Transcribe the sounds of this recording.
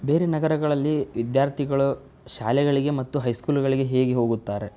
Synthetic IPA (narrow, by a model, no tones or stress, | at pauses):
be̞ːɾenɐɡɐɾɐɡɐɭɐlːiʋid̪jaːɾt̪ʰiɡɐɭu | ʃaːlɛɡɐɭiɡe̞mɐt̪ːuɦɐjskuːlɡɐɭiɡe̞ɦe̞ːɡeɦo̞ːɡut̪ːaːɾe